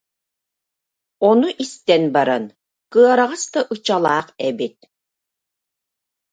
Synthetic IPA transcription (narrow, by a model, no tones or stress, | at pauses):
ɔnuʔist̪ɛnbaɾan | kɯɐɾaʁast̪aʔɯt͡ɕalˠaːqɛbit̪̚